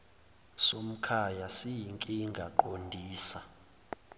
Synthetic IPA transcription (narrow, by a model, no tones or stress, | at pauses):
som̩kʰajasijiŋkʼiŋɡʱaǃondʱiːsa